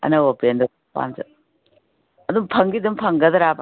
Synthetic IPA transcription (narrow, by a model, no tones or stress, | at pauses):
ɐ̰nɐopend̪u | pa̰nsɐ̰ | ɐd̪umpʰɐŋɡid̪umpʰɐŋɡɐd̪ɐɾap